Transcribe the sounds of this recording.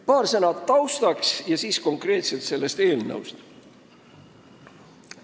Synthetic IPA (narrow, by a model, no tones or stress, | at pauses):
pɑːrsænɑt̪ːɑwst̪ɑksjɑsiːsko̞ŋkre̞ːt̪se̞lt̪se̞lːe̞st̪e̞ːlnə̰wst̪